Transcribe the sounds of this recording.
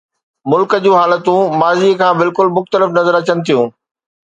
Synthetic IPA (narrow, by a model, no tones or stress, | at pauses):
mʊlkəd͡ʑũːɦaːlət̪ũmaːzikʰãːbɪlkʊlmʊxt̪əlɪfnɐzəɾɐt͡ɕənɪ̆t̪ʰijũː